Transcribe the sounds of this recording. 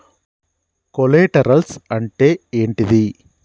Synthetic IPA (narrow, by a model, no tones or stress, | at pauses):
kɔleːʈɐɾɐlsɐɳʈeːeːɳʈiði